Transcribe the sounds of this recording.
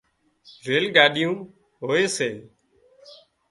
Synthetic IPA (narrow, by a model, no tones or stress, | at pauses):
ɾeːlɠaːɗɪjũː | ɦoːeːseː